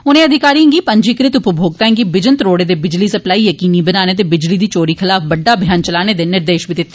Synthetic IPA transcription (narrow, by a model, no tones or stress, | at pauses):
ʊnẽɐd̪ʱɪkaːɾĩŋɡipɐ̃ɲd͡ʒikɾɪt̪ʊpəbʱoːɡ̚t̪aẽŋɡibɪd͡ʒənt̪ɾoːɽed̪ebɪd͡ʒlisɐplaːijɐkiːnibɐnaːned̪̬ebɪd͡ʒlid̪it͡ʃoːɾixɪlaːfbɐɖːabʱjaːnt͡ʃɐlaːned̪enɪɾd̪eːʃbʱid̪ɪt̪ː